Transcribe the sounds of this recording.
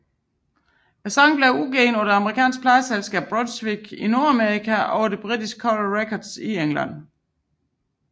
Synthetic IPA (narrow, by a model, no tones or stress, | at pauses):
æsɑŋ̰b̥leʊuɡ̥eːnɔnɐɑ̈məʁikʰɛ̰ːnspʰlɑ̈ɪəselsɡ̥ɛ̰ːb̥̚ʁodsʋiɡ̥ino̝ɐæmeʁikʰæɒʊɐd̥e̝b̥ʁid̥isɡ̥̚kʰɒlʁekʰɒd̥sieŋlæ̰n̰